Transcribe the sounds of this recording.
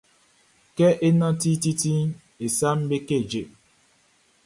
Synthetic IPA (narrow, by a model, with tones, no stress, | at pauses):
ke˦ʔe˦nɔ̃˦ti˦ti˦ti˦ | e˨sa˦m̩˦be˦ke˦˨d͡ʒe˨